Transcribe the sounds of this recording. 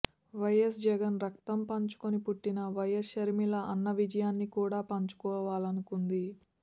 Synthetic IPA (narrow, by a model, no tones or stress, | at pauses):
ʋɐjes̬d͡ʒɛɡɐnɾɐkt̪ɐmpɐɲt͡ʃu̥konipuʈːinɐʋɐjɐsʃɐɾmilɐʔɐnːɐʋid͡ʒɐjaːnːikuːɽaːpɐɲt͡ʃu̥kɔːʋaːlɐnukund̪i